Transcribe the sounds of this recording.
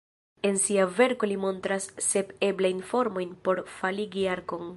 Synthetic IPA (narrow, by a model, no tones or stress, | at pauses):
e̞nsiave̞ɾko̞limo̞ntɾasːe̞pe̞blajnfo̞ɾmo̞jnpo̞ɾfaliɡiaɾko̞ŋ